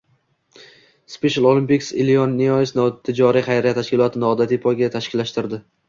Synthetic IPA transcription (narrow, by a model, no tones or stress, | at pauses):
speʃalˠolˠɪmpikʲsɪ̰lionːiɒjsnt̪ʰɪd͡ʒɒɾiχajɾijat̪ʰaʃkʲɪlˠɒt̪ʰɪnɒd̪at̪ʰipʰɒɡʲat̪ʰaʃkʲɪlːaʃt̪ɪɾd̪ɪ